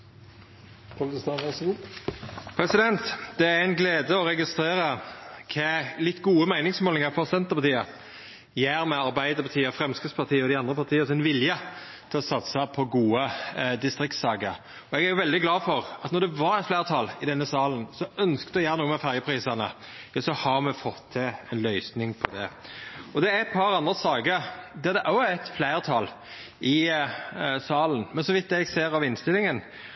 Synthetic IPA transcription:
pʰʊlst̪ɑnʋæsɡuː | pʰɾɛsɪd̪ɛnt̪d̪̥ɛææɪnɡleːd̪əɔʁɛɡɪst̪ɾeːɾəkʰɛlɪt̪ːɡuːəmæɪnɪŋsmoːlnɪŋəɾfɔsɛnt̪əʁpɑt̪ʰiːə | jæːɾmɛɑɾbæɪd̪əɾpɑt̪ʰiːəfɾɛmskɪspʰɑt̪ʰiːəɔd̪ɪɑnd̪ɾəpʰɑt̪ʰiːəsɪnʋɪljə | t̪ʰɪlɔsɑt̪səpʰɔɡuːəd̪ɪst̪ɾɪkt̪sɑːɡəɾ | ɔɛɡæɾjʊʋɛld̪ɪɡlɑːfɔɾɑt̪nɔɾd̪ɛʋɑɾɛt̪flæɪɾt̪ʰɑlɪd̪ɛnːəsɑːlənsɔœnskd̪ɔjæːɾənuːəmɛfæɾjəpʰɾiːsənə | jɑsɔhɑmɛfɔt̪ʰːɪɛnlœʏsnɪŋpʰɔd̪ɛ̰ɔd̪ɛæɛt̪̚pʰɑɾɑnd̪ʁəsɑːɡəɾd̪ɛd̪ɛʔɑɪt̪flæɪʁt̪ʰɑl | ɪ | sɑːlən̩mɛnsɔʋɪt̪ːɛɡseːɾɑʋɪnst̪ɪlːɪŋən

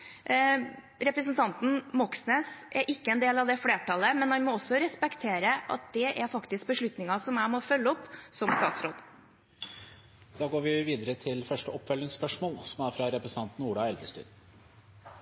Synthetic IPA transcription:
ɾɛpɾəs̬ənt̪ʰɑnt̪n̩mɔksneːsɛɾʔɪkːəɛnd̪eːlɑʋd̪ɛfleːʈɑləmɛnhɑnmɔɔsːɔɾɛspɛkt̪ʰeːɾəʔɑ̰t̪̚d̪̥ɛʔæɾfɑkt̪ɪsk̚bəʂɭʉt̪nɪŋɑsɔmæɪmɔfœlːəɔpːsɔmst̪ɑ̰ːt̪sɾoːd̪ | d̪̥ɑːɡoːɾʋɪʋiːd̪əɾət̪ʰɪlfœʂʈəɔpːfœlːɪŋspœʂmoːlsɔmæːɾfɾɑɾɛpɾəsən̩ʰɑnt̪n̩uːɖɑːɛld̪əst̪y̰ːn

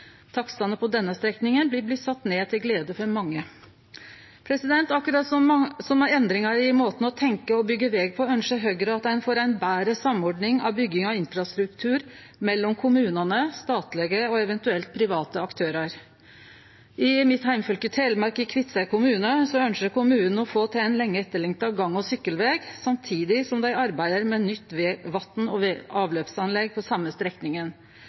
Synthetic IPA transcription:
t̪ʰɑksɑnəpʰɔd̪ɛnːəst̪ɾɛknɪŋənblɪblɪt̪sɑt̪ːneːt̪ʰɪlɡleːd̪əfɔɾmɑŋːə | pʰɾɛsɪd̪ɛnt̪ɑkʉɾɑːt̪sɔsɔmæɾɛnd̪ɾɪŋɑɾɪmoːt̪n̩ɔt̪ʰɛŋkəɔbʏɡːəʋɛːɡ̚pʰɔœnʂəɦœɡɾəɑt̪æɪnfɔːɾæɪnbæːɾəsɑmːɔɖnɪŋɑ̰ʋbʏɡːɪŋɑɪnfɾɑst̪ɾʉk̚t̪ʰʉːɾ | mɛlːɔmkʰʊmʉːnɑnəst̪ɑːt̪lɛɡəɔɛʋɛnt̪ʉɛlt̪̚pʰɾɪʋɑːt̪əɑkt̪ʰøːɾɑɾ | ʔɪmɪt̪hæɪmfœlkət̪ʰeːlmɑɾkəkʰʋɪt̪səkʰʊmʉːnəsɔœnʃəɾkʊmʉːnən̩ɔfoːt̪ʰɛæɪnlɛŋːəɛt̪ːəɭɛŋt̪ɑɡɑŋːɔsʏkːəlʋeːɡsɑmt̪ʰiːd̪ɪsɔmd̪æɪɑɾbæɪd̪əɾmɛnʏt̪ːʋʋɑt̪nɔɑːʋløːpsɑnlɛɡːpʰɔsɑmːəst̪ɾɛk̪nɪŋən

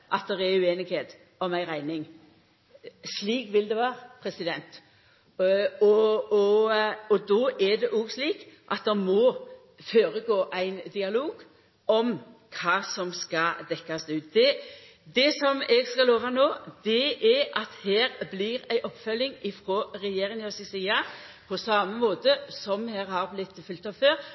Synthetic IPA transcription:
ʔɑt̪̚d̪ɛɾɛɾʉeːnɪɡheːt̪ | ɔmæɪʁæɪnɪŋ | sliːkʋɪld̪ɛʋæːɾpʰɾɛsɪd̪ɛnt̪ | ɔɔɔd̪ɔːʔɛd̪ɛʔɔːɡsliːkʔɑt̪̚d̪ɛmɔ | føːɾəɡoːʔæɪnd̪ɪɑloːɡ | ɔmkʰɑːsɔmskɑd̪ɛkːɑsd̪ʉːt̪̚d̪ɛ | d̪ɛsɔmɛɡskɑloːʋɑnoːd̪ɛʔɛɾʔɑt̪hæːɾblɪɾæɪʔɔpːfœlːɪŋɪfɾoːɾɛjeːɾɪŋɔsɛsiːɑpʰɔsɑːməmoːt̪əsɔmhæːɾhɑɾblɪt̪ːfʏlt̪ɑːʋføːɾ

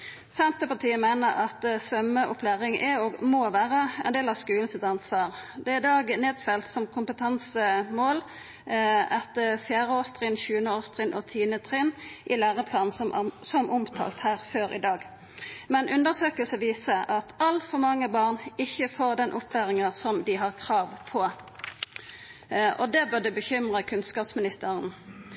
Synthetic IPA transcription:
sɛnt̪əpɑt̪ʰiːəmæɪnəɾɑt̪sʋœməʔʊpʰlæːʁɪŋʔɛoɡmoːʋæːʁəɛnd̪eːlɑskʉːln̩sɪt̪ɑnsʋɑːʁd̪ɛæɪd̪ɑːɡneːd̪fɛlt̪sɔmkʰʊmpət̪ʰɑnsəmoːl | ɛt̪əfjæːʁəoːst̪ʰʁɪnçʉːənəoːst̪ʁɪnʔɔt̪ʰiːnət̪ʰʁɪnʔɪlæːʁəpʰlɑːn̩sɔmʔʊmt̪ʰɑ̰ːlt̪hæːʁføːʁɪ̰d̪ɑːɡ | mɛnʔʉnd̪əsøːkəlsəʋiːsəʔɑt̪ʰɑlfɔʁmɑŋːəbɑːʁnɪçːəfoːʁd̪ɛnʔʊpʰːlæːʁɪŋəsɔmd̪ɪɦɑʁkʰʁɑːʋpʰɔ | ʔɔd̪ɛbøʁd̪ʉbəçʏmʁəkʰʉnskɑːpsmɪnɪst̪əʁən

